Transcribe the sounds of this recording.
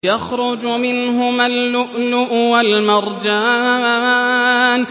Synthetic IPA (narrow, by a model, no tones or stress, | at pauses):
jaxɾʊd͡ʒʊmɪnɦʊmalːʊʔlʊʔʊwalmɑɾˤd͡ʒaː | n